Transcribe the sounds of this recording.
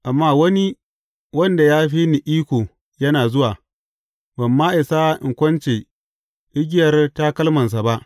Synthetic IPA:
ʔa˨mːaː˦˨wɐ˦ni˦ | wɐ˦nda˨jaː˦ɸiː˦ni˨ʔiː˦kʷoː˨ | jɐ˦naː˨zʊ˦waː˨ | bɐ˨mːaː˦ʔɪ˨sa˦ʔɪ̰˨ŋkʷɐ˦nt͡ʃeː˨ | ʔɪ˦ɡʲɪ˦jɐ˨rta˦kɐ˦lmɐ˨ns̬a˨ba˦ʔ

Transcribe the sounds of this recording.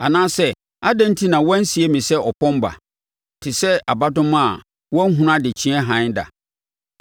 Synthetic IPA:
a˨nãː˦sɛ˦ | a˦dã˦n̩˦tʰi˦nã˨wɔ̃˦n̩˦si˨e˦mĩ˨sɛ˦ɔ˨pʰɔ̃˦mba̰˨ | tʰɪ˨sɛ˦a˨ba˦dʊ̃˦m˦a˨ | wɔ̃˦n̩˦ɦũ˦n˦ã˦dɪ˨t͡ɕʰĩ˦ɛ˦ɦã˨˦ɲda̰˨

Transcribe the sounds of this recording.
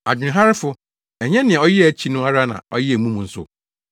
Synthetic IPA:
a̰˨d͡ʑᶣɪ̃˨ɦa˦ɾɪ˦fʊ˦ | ɛ˨ɲɛ̃˦nɪ̃˨ɛ̃˨ɔ˦jɪ˦˨æ˨t͡ɕʰi˦nʊ̃˦a˦ɾa˦nã̰˨ɔ̰˦jɪ˦æ˨mũ˦m̃˨n̩˦sʊ̰˨

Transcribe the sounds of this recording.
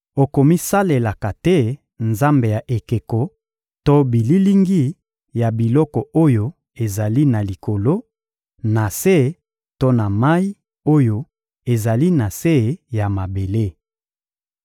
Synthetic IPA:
o˨ko˨mi˦sa˦le˨la˨ka˨tɛ˦ | nza˦mbe˨ja˨ʔe˨ke˨kɔ˨ | to˦bi˨li˦li˦ŋɡi˦ | ja˨bi˨lɔ˦kɔ˨o˦jo˦ | e˨za˨li˦na˨li˨ko˨lo˦ | na˨se˦ | to˦na˨ma˦i˦ | o˦jo˦ | e˨za˨li˦na˨se˦ja˨ma˨be˨le˦

